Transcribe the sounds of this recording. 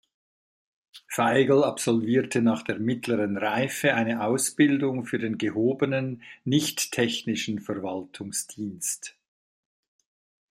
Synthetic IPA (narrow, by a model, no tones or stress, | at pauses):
faɪɡl̩apsɔlviːɐtʰənaːχd̥eːɐmɪtʰləʁənʁaɪfəaɪnəʔaʊsb̥ɪldʊŋfyːɐdeːnɡəhoːbənənːɪçtʰːɛçnɪʃn̩fɛɐvaltʰʊŋsd̥iːnst